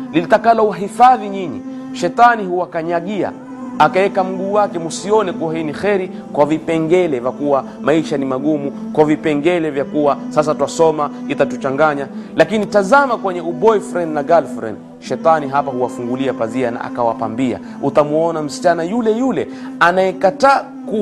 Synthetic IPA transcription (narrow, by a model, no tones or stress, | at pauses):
lilitakalɔwaɦifaðiɲiɲḭ | ʃɛtanihuwakaɲaɠia̰ | akaɛkam̩ɡuːwakɛmusiɔnɛkuwahinixɛɾi | kwavipɛŋɡɛlɛvakuwa | maiʃanimaɠumukwavipɛŋɡɛlɛvjakuwasas̬atwasɔmait̪atut͡ʃaŋɡaɲalakinitazamakwɛɲɛuɓɔjfɾɛnnaɡalfɾɛ̰n | ʃɛt̪aniɦapahuwafuŋɡuliapaziana̰ʔa̰kawapambia̰ | ut̪amuɔnam̩si̥t͡ʃanajulɛjulɛ | anajɛkataː | ku